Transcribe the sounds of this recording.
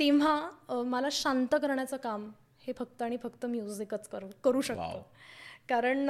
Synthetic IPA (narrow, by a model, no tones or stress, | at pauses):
t̪eʋ̤aməlaɕant̪əkəɾɳjat͡səkam | hefək̚t̪əaɽ̃ifəkt̪əmjud͡zikət͡skəɾkəɾuːɕəkt̪o̰kaɾəɳ